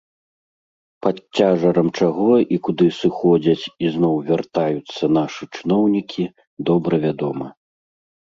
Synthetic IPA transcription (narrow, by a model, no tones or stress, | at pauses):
pɐt͡sʲːaʐɐɾɐmt͡ʂaɣɔikud̪ɨsɨxɔd͡zʲɐt͡sʲiznɔwvʲart̪ajut̪sːɐnaʂɨt͡ʂɨn̪ɔwnʲikʲʰi | d̪ɔbɾɐvʲad̪ɔmɐ